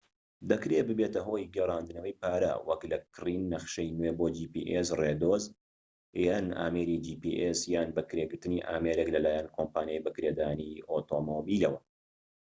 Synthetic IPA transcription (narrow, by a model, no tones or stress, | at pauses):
d̪ɐkɾeːbɨbeːt̪ɐɦoːjɡerˤɑːnd̪ɨnɐwɐjpaːɾa̰wɐklɐkʰriːnːɐχʃejnweboːd͡ʒiːpḭʔesred̪oːz | jaːna̰ːmeːɾid͡ʒiːpḭʔesjaːnbɐkɾeːɡɨɾt̪ɨniːʔa̰ːmeɾeklɐlaːjɛnkʰompaːnijajbɐkɾed̪aːniʔot̪omobiːlɐwɐ